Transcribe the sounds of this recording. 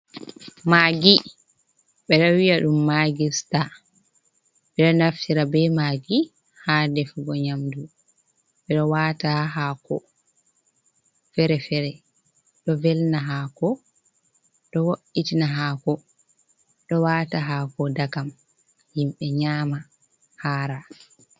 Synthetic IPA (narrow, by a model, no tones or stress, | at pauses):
maːɡi | ɓɛɗɔwijaɗumːaɡista | ɓɛɗɔnaftiɾabɛmaːɡi | hadɛfuɡɔɲamdu | ɓɛɗɔwaːtaɦakɔ̰ | fɛɾɛfɛɾɛ | ɗɔvɛlnaɦakɔ | ɗɔwoʔitinaɦakɔ | ɗɔwaːtaɦaːkɔdakam | himɓɛɲaːma | haːɾa